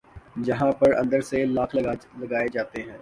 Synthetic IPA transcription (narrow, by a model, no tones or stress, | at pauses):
d͡ʒɐɦãpɐɾɐ̰̃nd̪əɾselaːkʰlɐɡaːlɐɡaːed͡ʒaːt̪eɦɛ̃ː